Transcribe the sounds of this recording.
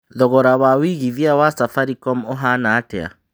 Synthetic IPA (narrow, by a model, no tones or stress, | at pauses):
ðɔɣɔɾawawiɣiðiawasafaɾikɔmoɦanaːtɛ̰a̰